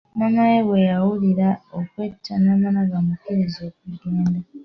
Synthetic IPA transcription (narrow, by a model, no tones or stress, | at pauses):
manajewe̞jawuliɾaokwetːanamanaɡamukiɾizek̚uɡeːnda